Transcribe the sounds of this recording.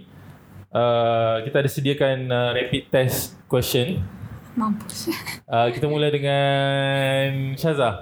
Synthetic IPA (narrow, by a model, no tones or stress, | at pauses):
ʔəkit̪aːdasədiakanəɾɛpit̪ːɛskwɛst͡ʃənmampuəkit̪amuladəŋã | nʃaza